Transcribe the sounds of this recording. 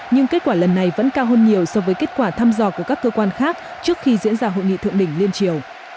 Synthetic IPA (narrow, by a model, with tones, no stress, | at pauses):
ɲɨ˧ŋke˦˥t̚kwaː˧˩lə˨˩nːa˨˩jvə̰˧˥nkaː˧wɦəː˧nɲi˨˩əwsɔ˧vəː˨˦jke˦˥t̚kwaː˧˩t̪ʰaː˧mzɔ˧˩ku˧˩əkaː˦˥kːəː˧kwaː˧nxaː˦˥k̚ | t͡ɕɨ˦˥ək̚xi˧zḭ˧˥ənzaː˧ɦo̰˧˨jŋḭ˧˨t̪ʰɨ̰˧˨əŋɗï˧˩ŋ̟li˧ənt͡ɕi˨˩əw